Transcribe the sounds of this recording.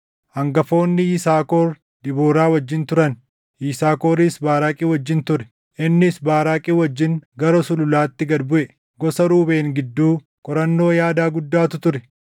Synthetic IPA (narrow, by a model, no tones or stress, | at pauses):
hɐŋɡɐfo̞ːnːɪiːsaːkoːɾ | d̪̥ɪboːɾaːwɐd͡ʒːɪnt̪ʊɾɐn | ʔiːsaːko̞ːɾiːsbaːɾaːkʼiwɐd͡ʒːɪnt̪ʊɾɛ̥ | ʔɪnːɪsbaːɾaːkʼiːwɐd͡ʒːɪŋɡɐɾɔsʊlʊlaːt̪ːɪɡɐd̪bʊʔɛ | ɡɔsɐɾuːbe̞ːŋɡɪd̪ːuː | kʼɔɾɐnːo̞ːjaːd̪aːɡʊd̪ːaːt̪ʊt̪ʊɾɛ